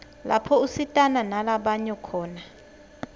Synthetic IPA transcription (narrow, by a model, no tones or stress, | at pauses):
la̰pʰɔusitʼananalaɓaɲɛkʰɔːna